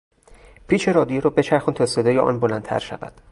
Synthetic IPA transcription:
pʰiːt͡ʃʰeɾɒːd̪ijeɾɒːbe̞t͡ʃʰæɾxunt̪ʰɒːse̞d̪ɒːjeʔɒ̰ːnbolænt̪ʰæ̰ɾʃæ̰væ̰d̪̥

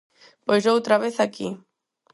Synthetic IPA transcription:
pozʒowt̪ɾaβeθaki

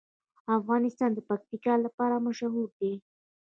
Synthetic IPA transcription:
afɣɑnɪst̪ɑnd̪əpak̚t̪ikɑlapɑɾamaʃaɦuɾd̪e

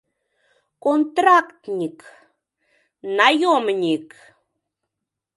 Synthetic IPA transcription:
kont̪ɾakt̪ɲik | najomɲik

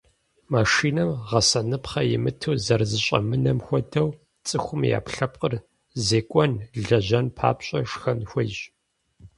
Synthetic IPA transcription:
maːʂiːnɐmʁɐsɐnɨpχɐjɪmɨtʰɨwzɐrzɨɕʼɐ̰mɨnɐmxʷɔdɐw | t͡sʼɨxʷʊmja̰ːpɬɐp̚qʼər | zeːkʷʼɔnɮɮɐʑɐnpʰa̰ːpɕʼɐʂxɐnxʷɔʒ

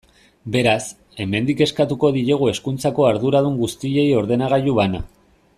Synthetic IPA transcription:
be̞ɾas | e̞me̞nd̪ike̞skat̪uko̞ðiɾeɣ̞ue̞skunt͡sako̞aɾðuɾaðuŋɡust̪iʎe̞jo̞ɾð̞e̞naɣ̞aʎuβana̰

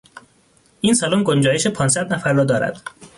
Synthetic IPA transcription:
ʔiːnsælomɡond͡ʒɒːjeʃepʰɒːnsæd̪næfæɾːɒːd̪ɒːɾæ̰d̪̥

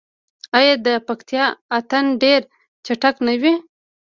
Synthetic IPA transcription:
ajɑd̪əpakt̪jɑat̪anɖeɾ | t͡ʃaʈaknawi

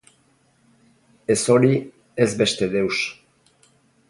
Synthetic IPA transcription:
e̞so̞ɾi | ezbe̞st̪e̞ðe̞ws

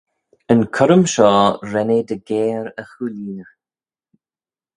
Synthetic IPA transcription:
ənkʰɔɾəmʃɔːɾɛned̪əɡeːɾəxuːliːnə

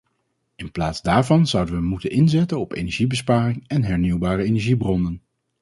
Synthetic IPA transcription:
ɪnplaːtzdaːɹvɑnzʌwdəʋəmutənɪnzɛtənɔpḛjnɛɹʒibəspaːrɪŋɛnɦɛɹniwbaːrəejnɛɹʒibrɔnən

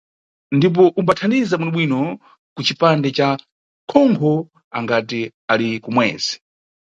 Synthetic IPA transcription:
ndip̬ɔʔumbatʰandizaɓunɔɓwinɔ | kut͡ʃipandɛt͡ʃa | kʰɔmbʰɔ | a̰ŋɡati | alikumwɛ̰ːzɛ̥

